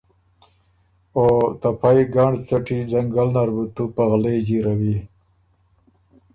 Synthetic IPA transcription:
ot̪apʰajɡaːɳɖt͡saʈizaŋɡalnaɾbut̪upaɣled͡ʑiɾawi

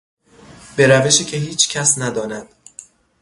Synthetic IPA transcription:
b̥e̞ɾæve̞ʃiːcʲʰe̞ɦiːt͡ʃʰcʰæsnæd̪ɒːnæd̪̥

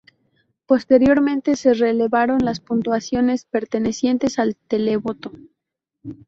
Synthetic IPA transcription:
po̞st̪e̞ɾjo̞ɾmẽnt̪e̞se̞rele̞βaɾo̞nlaspunt̪wasjo̞ne̞spe̞ɾt̪e̞ne̞sje̞nt̪e̞salt̪e̞leβo̞t̪o

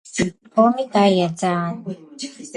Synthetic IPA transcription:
pʰɔːmikajat͡ɕaːn

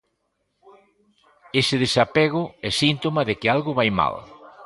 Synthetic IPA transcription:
esɪðesapɛɣ̞ʊɛsint̪omɐðekɪalɣʊβajma̰l

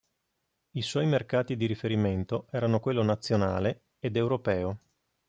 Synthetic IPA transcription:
iswɔjmerkaːt̪id̪iɾifeɾiment̪oɛːɾanokwelːonat̪sːjonaːle | ed̪ewɾopɛːo

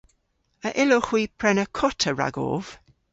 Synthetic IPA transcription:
əʔɪlʊχw̥iːpʰɹɛnəkʰɔtʰəɹa̰ɡɔ̰ːv̥

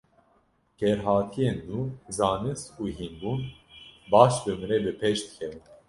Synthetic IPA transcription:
kʰɛɾɦɑːt̪ʰijeːnːuːzɑːnɨsuːɦinbunbɑːʃbɨmɨɾɛbɨpʰɛʃt̪kʰɛvn

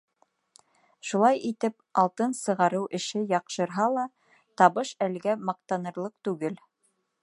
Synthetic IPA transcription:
ʃulˠɑjʔit̪ɘpɑlˠt̪ɤnsɤ̆ʁɑɾɤwʔɘ̆ʃɘjɑqʃɤ̆ɾɦɑlˠɑ | t̪ɑβɤʃælɡæmɑq̚t̪ɑnɤ̆ɾlˠɤq̚t̪ʉɡɘl

